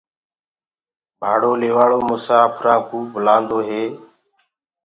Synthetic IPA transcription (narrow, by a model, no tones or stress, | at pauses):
bʱaːɽoːleːʋaːɭoːmʊsaːpʰɾãːkuːbʊlãːnd̪oːɦeː